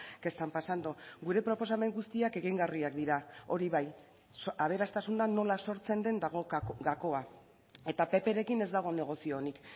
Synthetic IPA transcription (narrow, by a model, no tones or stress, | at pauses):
ke̞st̪ampasand̪uɡuɾe̞pɾo̞po̞s̬ame̞ŋɡust̪iake̞ɣiŋɡariakd̪iɾao̞ɾiβaj | aβe̞ɾast̪asund̪ano̞laso̞ɾt͡se̞nd̪e̞nd̪ɣɡako̞a | e̞t̪ape̞pe̞ɾe̞kine̞zd̪aɣ̞o̞ne̞ɣ̞o̞sionik